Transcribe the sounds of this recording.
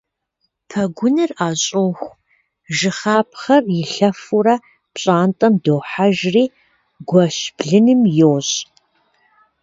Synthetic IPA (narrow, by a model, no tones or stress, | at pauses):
pʰɐɡʷʊnɨraːɕʼoxʷ | ʒɨχaːp̚ʰχɐrjɪɬɐfuɾɐ | pɕʼaːntʼɐmdoːħaʒriː | ɡʷɐɕbɮɨnɨmjowɕʼ